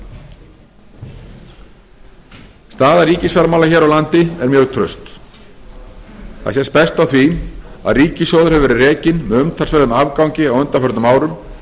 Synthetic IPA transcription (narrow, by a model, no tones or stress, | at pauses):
st̪aːðaɾiːcɪsfɛɾamawlaçɛːɾawlant̪ɪɛɾmjœːɣt̪ʰɾœ̰ɥst̪ | θa̰sjɛspɛst̪awθvia̰ðriːcɪsɔːðʏɾ̥hɛvɛːɾɪrɛːcɪnmɛʏmt̪ʰalsfɛɾðʏmavkawŋcɪawœnt̪afœɾt̪nmaːwɾʏm